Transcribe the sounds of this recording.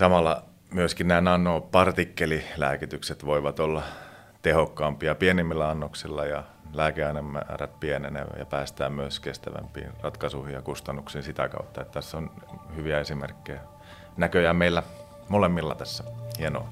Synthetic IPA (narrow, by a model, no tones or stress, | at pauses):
sɑmɑlːɑ̰ | myøskinnæːnɑnːoːpɑrt̪ikːelilæ̰ːkit̪ykset̪ʋoiʋɑt̪olːɑ | t̪ehokːɑːmpiɑpienimːilːæɑnːoksilːɑjɑ | læːkeɑinemːæ̰ːræt̪̚pienḛnḛjɑ̰pæːst̪æːmmyøskest̪æʋæ̰mpḭːnrɑt̪kɑsuihijɑkust̪ɑnːuksiːnsit̪ækɑ̰ut̪ːɑet̪t̪æsːonhyʋiæesimḛrkːejæ | nækøjæmeilːæ | molemːilːɑt̪æsːæhieno̰